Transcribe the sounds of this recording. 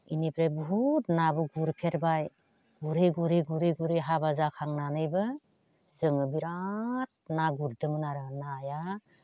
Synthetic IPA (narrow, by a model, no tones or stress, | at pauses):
inepʰɾebuɦut̚nabɯɡuɾpʰeɾbaj | ɡuɾeɡuɾeɡuɾeɡuɾeɦabazakʰaŋnanɯjbɯ | zɯŋɯbiɾat̚naɡuɾdɯmɯnaɾɯnaja